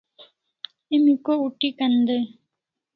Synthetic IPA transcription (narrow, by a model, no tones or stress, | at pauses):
emikːouʈːikɐnd̪ɯ